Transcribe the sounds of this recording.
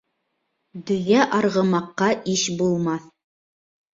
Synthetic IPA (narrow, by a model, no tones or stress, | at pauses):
d̪ɵ̆jæʔɑɾʁɤ̆mɑqːɑʔiʃbulˠmɑθ